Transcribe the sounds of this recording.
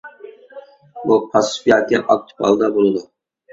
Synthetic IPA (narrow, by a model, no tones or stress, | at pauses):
bupʰɑsɪ̥fijɑt̪ʰɪʔɑk̚t̪ʰu̥pʰɑ̰lˠd̪ɑbolˠɨd̪u